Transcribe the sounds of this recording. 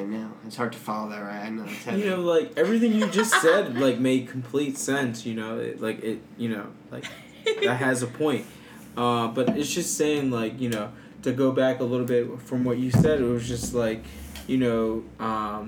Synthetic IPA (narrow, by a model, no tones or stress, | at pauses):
noʊɨtshɑɹd̚tʰɨ̥fɑlˠoʊðə˞ɹaɪɪ̃notʰɛjɨnoʊlaɪkɛvɹiθɪ̃ŋjɨd͡ʒʌstsɛd̚laɪk̚meɪd̚kʰm̩pʰl̥itsɛ̃nsjɨnoʊɪ̰tlaɪkɪt̚jɨnoʊlaɪk | ðɨt̚ɦɨzɨpʰɔ̃ɪ̃nt̚ | ʌ̃bʌɾɨtsd̥ʒ̥ʌstseɪɪ̃ŋlaɪkjɨnoʊ | ɾɨɡoʊbækəlɪɾl̩ˠbɪt̚fɹʌ̃mwʌt͡ʃɨsɛɾɨt̚wʌzd͡ʒʌst̚ˡlaɪk | jɨnoʊʌ̃m